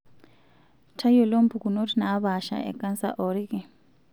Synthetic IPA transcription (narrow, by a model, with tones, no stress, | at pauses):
tʰa˦jo˨lo˦m˦pʰu˨ku˨no˦tʰʼina˨˦βa˨ʃa̰˨ɛ̰˨kʼa˦nsa̰˦ʔɔɾi˦kɛ˨